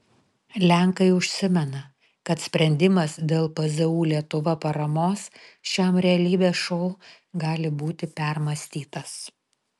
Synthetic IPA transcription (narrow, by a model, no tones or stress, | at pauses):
lʲæŋkɐɪʊʃʲsʲɪmʲɛnɐ | kɐt̪sʲpʲɾʲɛnʲd̪ʲɪmɐsd̪ʲeːlˠpɐzɐuːlʲiɛt̪ʊʋɐpɐɾɐmoːsʃʲæːmɾʲɛɐlʲiːbʲeːʃɔʊ | ɡɑːlʲɪbuːt̪ʲɪpʲɛɾmɐsʲt̪ʲiːt̪ɐs